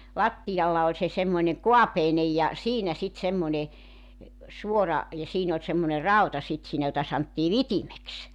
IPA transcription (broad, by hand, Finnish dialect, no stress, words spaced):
lɑtːijɑlːɑ olʲ se semːoĭneŋ ko̝ɑpeinej jɑ siːnæ sit semːonʲe suorɑ jɑ siːn olʲ semːone rɑu̞tɑ sit siːnæ jotɑ sɑntːiː ʋitimeks